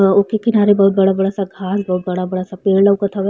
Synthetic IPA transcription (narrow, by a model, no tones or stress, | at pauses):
okekɪnaːɾebɐɦut̪̚bɐɽabɐɽasaɡʱaːsbɐɦut̪̚bɐɽabɐɽasapeːɽlaʊkɐt̪ʰaʋe